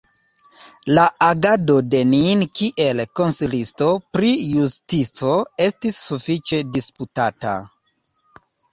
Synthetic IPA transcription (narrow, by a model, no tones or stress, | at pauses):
laaɡado̞de̞ninkiʔe̞lko̞nsilisto̞pɾijustit͡so̞e̞stisːufit͡ʃe̞disputata̰